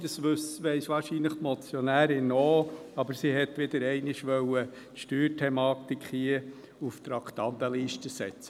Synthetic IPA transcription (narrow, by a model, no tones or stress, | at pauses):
d̥ɑsʋʉsʋɛɪsʋɑːɾʃiːnləχmɔt͡sjɔnæːɾɪnoːɑbəɾsiɦɛt̪ʋɪd̪əɾɛɪnɪʃʋœwə | t̪ʃtyːɾtʰɛmɑːt̪ikχhiə | uft̪ɾɑkt̪ɑnt̪əliːʃtəsɛt͡sə